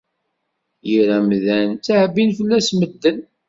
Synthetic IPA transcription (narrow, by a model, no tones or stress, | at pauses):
jiɾæmðænt͡sːaʕbinfəlːæsməd̪ːən